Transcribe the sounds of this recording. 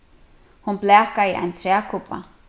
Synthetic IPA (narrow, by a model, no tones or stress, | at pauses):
hunplɛːkaiʔa̰jnt̪ʰɾɛːkʰʊpa̰